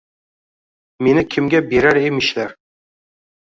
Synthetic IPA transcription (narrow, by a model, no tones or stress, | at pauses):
me̞nɪkʲʰɪmɡʲabeɾaɾemɪʃlaɾ